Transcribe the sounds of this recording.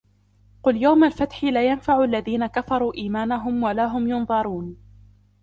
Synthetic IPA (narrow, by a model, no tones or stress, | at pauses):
qʊljawmalfat̪ħɪlajanfaʕʊalːaðiːnakafɑɾˤuːʔiːmaːnaɦʊmwalaːɦʊmjʊnðˤɑɾˤuːn